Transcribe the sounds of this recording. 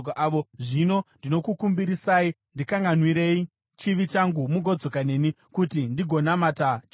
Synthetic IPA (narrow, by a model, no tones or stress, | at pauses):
kʔaʋo̞ʐino̞ndino̞kukumbiɾisaːi | ndikaŋɡanwiɾe̞i | t͡ʃiʋit͡ʃaŋɡumuɡʱo̞d͡zo̞kane̞ːni | kutindiɡʱo̞namatat͡ʃ